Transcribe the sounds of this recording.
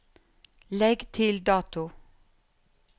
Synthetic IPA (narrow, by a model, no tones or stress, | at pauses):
lɛɡt̪ʰɪld̪ɑːt̪ʊ